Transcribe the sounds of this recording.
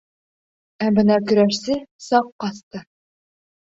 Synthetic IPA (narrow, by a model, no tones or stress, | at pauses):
æbɘ̆nɑkɵ̆ɾæʃsɘsɑqːɒst̪ɤ